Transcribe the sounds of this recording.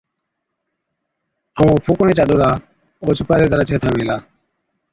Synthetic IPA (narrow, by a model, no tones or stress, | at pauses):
amõːpʰukonẽːt͡ʃaɗuːɾaː | oːt͡ʃʰupaːɾeːd̪əɾaːt͡ʃʰet̪ʰaːmeːlaː